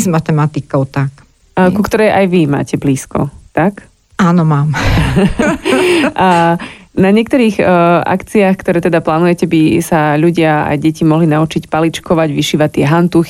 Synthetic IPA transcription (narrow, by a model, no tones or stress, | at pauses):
zmat̪ɛmat̪ikɔʊt̪ak | kukt̪ɔɾɛjʔajʋima̰ːcɛbliːskɔ̰t̪ak | aːnɔmaːm | naɲɪɛkt̪ɔɾiːɣa̰kt͡siaːxkt̪ɔɾɛːt̪ɛd̪aplaːnujɛcɛbisaʎuɟɪaa̰jɟɛcimɔɦlinaut͡ʃicpalit͡ʃkɔʋaɟʋiʃiːʋat̪ːɪɛɦant̪uxi